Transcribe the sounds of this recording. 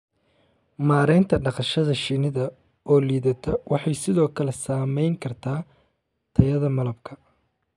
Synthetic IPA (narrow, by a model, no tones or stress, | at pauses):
maːɾɛjnt̪ʰɐɖɑqɑʃɐðɐʃinɪðɐ | ɔːliːðɐt̪ʰɔwɑħɑjsɪðɔːkʰɐlɛsaːmɛjŋkʰɐrt̪ʰaː | t̪ʰɐjɐðɐmɐlɐbkʰɐ